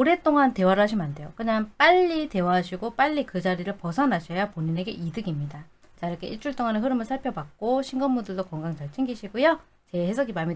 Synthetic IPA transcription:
oɾe̞t͈oŋante̞waɾɯɭɦaɕʰimande̞jokɯɲaŋp͈aʎːite̞waɦaɕʰiɡop͈aʎːikɯd͡ʑaɾiɾɯɭpʌsʰʌnaɕʰʌjapoɲine̞ɡe̞ʔidɯɡimɲida | t͡ɕaiɾʌkʰe̞ʔiɭt͡ɕ͈uɭt͈oŋaneɦɯɾɯmɯɭsʰaɭpʰjʌbak̚k͈oɕʰiŋɡʌnmundɯɭdokʌŋɡaŋt͡ɕʌɭt͡ɕʰeŋɡiɕʰiɡujʌ | t͡ɕe̞hesʰʌɡimami

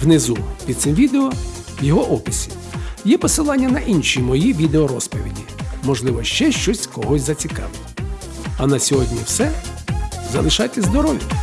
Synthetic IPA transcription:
wnɪzupʲid̪̚sɪmʋʲid̪eɔ | wjɔɦɔʔɔpɪsʲimjɛpɔsɪlˠɑnʲːɐnɐʔinʃijmɔjiʋʲid̪eɔɾɔspɔʋʲḭdʲimɔʒlˠɪʋɔʃt͡ʃɛʃt͡ʃɔsʲkɔɦɔsʲzɐt͡sʲikɑ̰ʋɪl | ɐnɐsʲɔɦɔdʲnʲiwsɛ | zɐlˠɪʃɑt̪ʲːɐzd̪ɔɾɔʋʲi

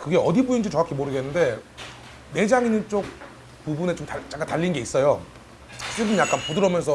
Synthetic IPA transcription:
kɯɡe̞ʌdibuind͡ʑit͡ɕʌakʰimoɾɯɡe̞nːɯnde̞ | ne̞d͡ʑaŋinɯnt͡ɕ͈ok̚ | pubune̞t͡ɕomtat͡ɕ͈ak͈ataʎːinnɡe̞is͈ʌjo | s͈ɯbɯnjak͈anpodɯɾʌmjʌnsʰʌ

